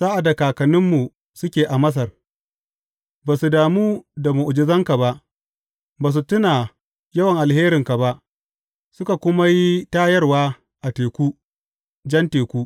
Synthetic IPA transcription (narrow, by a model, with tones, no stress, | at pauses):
zaː˦ʔa˨da˨kaː˨kɐ˨nɪ˦mːu˨ | sʊ˦kʲeː˨ʔa˨mɐ˦s̬ɐ˨r | baː˨su˨daː˨muː˦da˨mu˨ʔʊ˨d͡ʒɪ˦zɐ˦ŋka˨ba˦ʔ | baː˨s̬u˨tʊ˦naː˨ | jɐ˦wɐ˨ŋʔa˨lheː˦ɾɪ˨ŋka˨ba˦ʔ | sʊ˦ka˨kʷʊ˦ma˦ji˦taː˦jɐ˦rwaː˦ | ʔa˨teː˨kʷuː˦ | d͡ʒɐ˦nteː˨kʷuː˦